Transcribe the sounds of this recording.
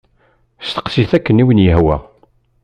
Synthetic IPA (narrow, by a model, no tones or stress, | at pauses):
st̪ə̥qsiθækːəniwənjəɦwæ̰